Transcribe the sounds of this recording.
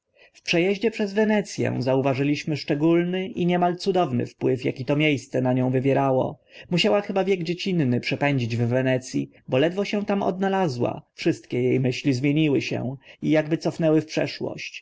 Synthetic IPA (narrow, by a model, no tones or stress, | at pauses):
fpʂɛjɛʑd͡ʑɛpʂɛzvɛnɛt̪sʲjɛ̰̃zauvaʐɘlʲiɕmɘʂt͡ʂɛɡulnɘʔiɲɛmalt̪sud̪ɔvnɘ̰fpwɘfja̰kʲit̪ɔmʲjejst̪sɛnaɲɔ̃w̃vɘvʲjɛɾawɔ̰muɕawaxɘbavʲjɛɡd͡ʑet͡ɕinːɘpʂɛpɛɲd͡ʑid͡ʑvvɛnɛt̪sʲjḭ | bɔlɛd̪vɔɕɛ̃t̪amɔ̰d̪̚nalazwa̰fʂɘst̪̚kʲɛjejmɘɕlʲizmʲjeɲiwɘɕɛ̰̃ijaɡbɘt̪ɔfnɛwɘfpʂɛ̰ʂwɔ̰ɕt͡ɕ